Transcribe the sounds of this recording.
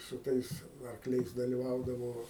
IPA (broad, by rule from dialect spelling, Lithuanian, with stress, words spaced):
sʊ ˈtɐɪs ɐrkˈlʲɛɪs dɐlʲɪˈʋɐʊdɐʋoː